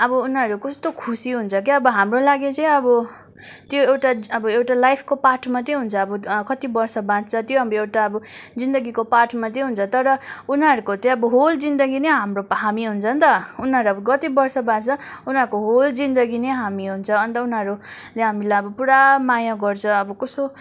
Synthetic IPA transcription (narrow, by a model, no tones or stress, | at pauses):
ʌbʌunɦʌɾukʌst̪okʰusiɦunt͡sʰʌk̬iʌbʌɦamrolaɡet͡sʌj̃ʌbʌ | t̪joewʈaʌbʌewʈalajpʰkopaʈʰmat͡s̪ʌj̃ɦunt͡sʰʌːbʌkʌt̪ibʌrsʌbãd͡zt͡sʰʌt̪joɦabʌewʈaʌbʌd͡zind̪ʌɡikopaʈʰmat̪ʌ̃ɦunt͡sʰʌt̪ʌɾʌunɦʌɾukot͡sʌj̃ʌbʌɦold͡zind̪ʌɡineɦamroɦamiɦunt͡sʰʌnt̪ʌunɦʌɾuʌbʌɡʌt̪ibʌrsʌbãd͡zt͡sʰʌ | unɦʌɾukoɦold͡zind̪ʌɡineɦamiɦunt͡sʰʌːnt̪ʌunɦʌɾu | leɦamilajʌbʌpuɾamajaɡʌrt͡sʰʌʌbʌkʌso